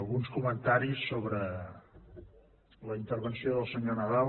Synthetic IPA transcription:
lˠɣunskumənt̪aɾisːoβɾə | ləint̪ərβənsioðəlˠsəɲonəðal

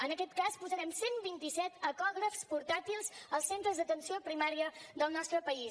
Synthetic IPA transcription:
ənəkɛt̪kaspuzəɾɛmsembint̪isɛt̪əkɔɣɾəfspuɾt̪at̪ilˠzəlˠsent̪ɾəzðət̪ənsiopɾimaɾiəðəlˠnɔst̪ɾəpəis

